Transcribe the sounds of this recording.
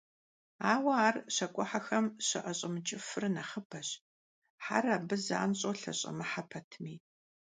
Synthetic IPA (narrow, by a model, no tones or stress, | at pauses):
aːwɐaːrɕɐkʷʼʊħaxɐmɕɐʔɐɕʼɪmt͡ʃʼɪfɨrnɐχəbʰɐɕ | ħa̰rɐbɨza̰ːnɕʼoːɬɐ̰ɕʼɐ̰mɨħapʰɐtʰmiː